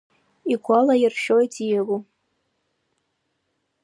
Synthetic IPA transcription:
iɡʷalajɪrʃojtʰʼijaɡu

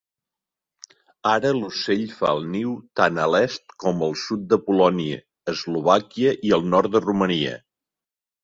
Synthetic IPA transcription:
aɾəluseʎfa̰əlˠniwt̪anəlɛst̪kɔməlˠsut̪̚d̪əpulɔniəː | zluβ̞akiəʔiəlˠnɔrt̪̚d̪əruməniə̰

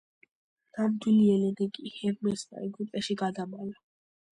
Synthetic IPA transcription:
namd̪wiliɛlɛnɛkʼihɛɾmɛsd̪a̰ɛɡupʼɛʃiɡad̪amala

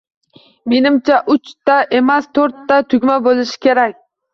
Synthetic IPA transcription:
me̞nɪmt͡ʃʰaʔʊt͡ʃt̪aʔe̞mast̪ʰoɾt̪ːat̪ʰʊɡʲmabolˠɪʃɪ̥kʲʰe̞ɾakʲ

